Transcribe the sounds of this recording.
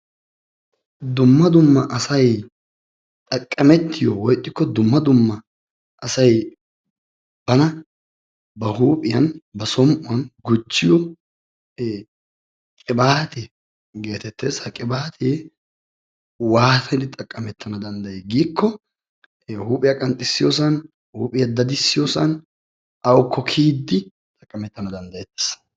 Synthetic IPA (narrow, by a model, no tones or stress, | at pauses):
d̪ʊmːɐd̪ʊmːɐʔɐsɐj | t̪ʼɐkʼːɐmɛt̪ʰːɪjɔwɔjt̪ʼːɪkːɔd̪ʊmːɐd̪ʊmːɐ | ʔɐsɐj | b̥ɐnɐ | bɐhuːpʼɪjɐnbɐsɔmʔʊwɐnɡʊt͡ʃːɪjɔ | kʼɪbaːt̪ɛ | ɡe̞ːt̪ɛt̪ːeːshɐkʼɪbaːt̪ʰeː | waːt̪ʰɛnɪt̪ʼɐkʼːɐmɛt̪ʰːɐnɐd̪ɐnd̪ɐjeːɡiːkʰːɔ | huːpʼɪjɐkʼɐnt̪ʼːɪsːɪjosɐn | huːpʼɪjɐd̪ɐd̪ɪsːɪjosɐn | ʔɐwɔkʰːɔkʰiːd̪ːɪ | t̪ʼɐkʼːɐmɛt̪ːɐnɐd̪ɐnd̪ɐjɛt̪ːe̥ːsɐ̥